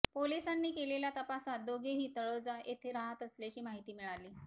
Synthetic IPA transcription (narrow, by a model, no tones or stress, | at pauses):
polisanːiːkeleljat̪əpasat̪̚d̪oɡʱeɦiːt̪əɭod͡zaʔet̪ʰeɾaɦət̪əslat͡ɕiːmaɦit̪iːmiɭaliː